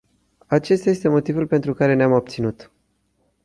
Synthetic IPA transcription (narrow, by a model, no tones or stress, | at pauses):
at͡ʃe̞st̪ajest̪e̞mo̞t̪ivulpe̞nt̪ɾukaɾe̞neamab̚t̪sinut̪